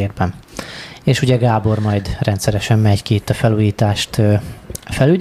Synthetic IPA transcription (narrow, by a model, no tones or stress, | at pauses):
eːrbɛn | eːʃuɟɛɡaːbo̞rmɒjd̪rɛnt̪sɛɾɛʃɛmmɛɟkiːt̪ːɒfɛluːjiːt̪aːʃt̪øːfɛly